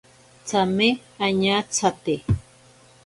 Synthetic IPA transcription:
t͡samɪaɲat͡sʰat̪ɪ

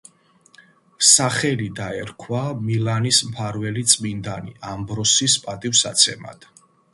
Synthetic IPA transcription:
saχɛlid̪aɛɾkʰwamilanismpʰaɾvɛlit̪sʼmind̪anḭambɾɔsispʼat̪ʼifsa̰t̪sʰɛma̰d̪̥

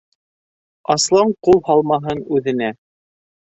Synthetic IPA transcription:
ɑslˠɑɴqulˠhɑlˠmɑɦɤnʉðɘ̆næ

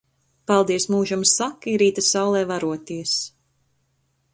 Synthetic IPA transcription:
palˠd̪iɛsmuːʒamsakːiɾiːt̪asawlˠɛːvaɾuɔt̪iɛs

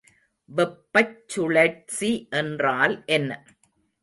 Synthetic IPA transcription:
ʋɛpːɐt͡ʃːʊɭɐʈsiʔɛndraːlʔɛnːɐ

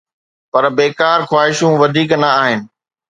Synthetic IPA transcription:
pɐɾbeːkaːɾxwaːɦɪʃũʋɐd̪ʱiːknɐaːɦɪnɪ̆

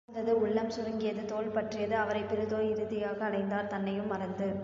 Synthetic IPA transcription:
nd̪ɐðɯʊɭːɐmsʊɾɯŋɡɪjɐðɯt̪oːlpɐʈrɪjɐðɯɐʋɐɾɐɪpːɪɾɯðoːjɪɾɯðɪjaːɣɐːɽɐɪnd̪aːɾt̪ɐnːɐjɯmːɐɾɐnd̪ɯ

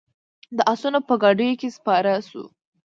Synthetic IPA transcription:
d̪əʔasunapəɡɑɖəjokespɑɾasṵ

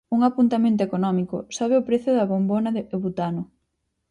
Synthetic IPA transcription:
uŋapunt̪amẽnt̪̬oekonɔmikʊ̰sɔβ̞eʊpɾeθjʊðɐβombonɐðɪβut̪anʊ

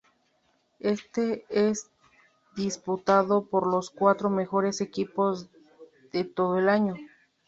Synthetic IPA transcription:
e̞st̪ees | d̪isput̪aðopoɾloskwat̪ɾome̞xo̞ɾese̞kipoz | ðet̪o̞ðoelaɲo

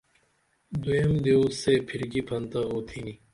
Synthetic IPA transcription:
d̪ujemd̪iusepʰiɾɡipʰɐnt̪ɐɣoːt̪ʰini

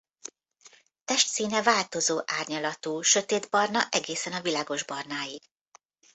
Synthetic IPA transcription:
t̪ɛʃt̪siːnɛvaːlt̪o̞zoːʔaːrɲɒlɒt̪uːʃø̞t̪eːd̪bɒrnɒʔɛɡeːsɛnɒvilaːɡo̞ʒbɒrnaːjiɡ̥

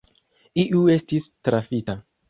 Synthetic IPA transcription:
iʔue̞stistɾafita

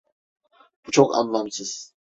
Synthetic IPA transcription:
b̥ut͡ʃʰo̞kʰa̰nlˠamsɯz̥

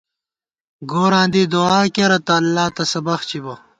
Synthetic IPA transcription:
ɡoːɾãːnd̪iːd̪uaːkeɾɐt̪ɐːlːaːt̪ɐsɐbɐxt͡ɕibɐ

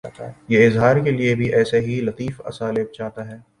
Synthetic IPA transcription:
jeɪzɦaːɾkeliebʱiʔɛːseɦilɐt̪iːfɐ̰saːleːb̚t͡ʃaːɦt̪aɦɛː

